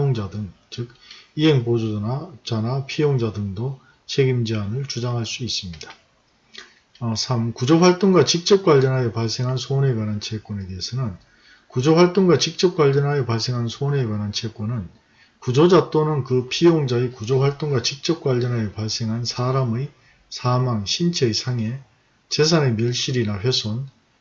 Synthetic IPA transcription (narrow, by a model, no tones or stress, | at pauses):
oŋd͡ʑadɯŋ | t͡ɕɯk̚iɦe̞ŋpod͡ʑod͡ʑanapʰijoŋd͡ʑadɯŋdo | t͡ɕʰe̞ɡimd͡ʑianɯɭt͡ɕud͡ʑaŋɦaɭs͈uis͈ɯmɲidḁ | ʌsʰamkud͡ʑʌɸwaɭt͈oŋɡwat͡ɕik̚t͡ɕ͈ʌp̚k͈waʎːʌnɦajepaɭs͈e̞ŋɦansʰone̞ɡwanant͡ɕʰek͈wʌneteɦesʰʌnɯn | kud͡ʑʌɸwaɭt͈oŋɡwat͡ɕik̚t͡ɕ͈ʌp̚k͈waʎːjʌnɦajʌpaɭs͈e̞ŋɦansʰone̞ɡwanɦant͡ɕʰek͈onɯn | kud͡ʑod͡ʑat͈onɯnkɯpʰijoŋd͡ʑaekud͡ʑoɸwaɭt͈oŋɡwat͡ɕik̚t͡ɕ͈ʌp̚k͈waʎːʌnɦajʌpaɭs͈e̞ŋɦansʰaɾamɯj | sʰamaŋɕʰint͡ɕʰejsʰaŋe̞ | t͡ɕe̞s̬ʰane̞mjʌɭɕ͈iɾinaɸɥjesʰon